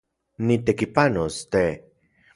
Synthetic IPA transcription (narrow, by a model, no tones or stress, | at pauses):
nit̪ekipanost̪e